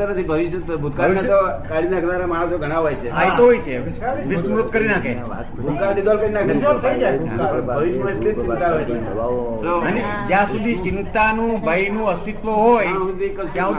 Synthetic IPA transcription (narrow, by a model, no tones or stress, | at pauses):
t̪ənət̪ʰibʱəʋiʃjət̪bʱud̪̚kaat̪okaɽinaknaɾamaɽ̃əsoɡʱəɽ̃aʋajt͡ʃʰeajt̪oɦojt͡ʃʰe | ʋisɾot̪̚kəɾinakʰe | a̰ | bʱud̪̚kanid̪ɔlkəɾinakd̪ɔlt̪ʰəid͡ʒaeəɾbbʱəʋiʃmãeleɪt̪aɦojt͡ʃʰe | oəne | d͡ʒjãsud̪ʱit͡ʃɪnt̪anũbʱəjnũəst̪it̪ʋoɦojekəjã